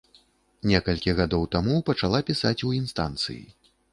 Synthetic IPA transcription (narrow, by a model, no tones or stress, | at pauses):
nʲɛkɐlʲkʲiɣad̪ɔwt̪amupɐt͡ʂalˠapʲisat͡sʲuinst̪a̰nt̪sɨ̰jḭ